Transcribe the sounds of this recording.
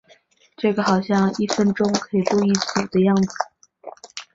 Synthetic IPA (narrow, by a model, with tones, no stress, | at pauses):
ʈ͡ʂɤ˥˩ɡə˩xɑ˨˩ʊɕjɑ˥˧ŋi˥˩fə˥nʈ͡ʂʊ˥ŋkʰɤ˧˥i˨˩tu˥˧i˥˩t͡su˨˩d̪ə˦jɑ˥˩ŋd͡zɹ̩˨˩